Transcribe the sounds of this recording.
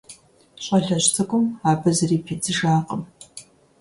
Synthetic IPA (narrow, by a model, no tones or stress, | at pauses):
ɕʼɐɮɐɕt͡sʰɐkʷʼʊmaːbɐzɐriːpʰet͡sʰʼɨʒaːqʼəm